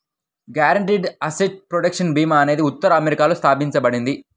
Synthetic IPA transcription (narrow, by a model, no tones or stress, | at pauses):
ɡjaːɾɐɳʈiːɖɐsiʈ̚pɾoɖɐkʂɐnbiːmaːne̞ːd̪iut̪ːɐɾɐɐmeɾikaːlust̪ʰaːpiɲt͡ʃɐbɐɽind̪i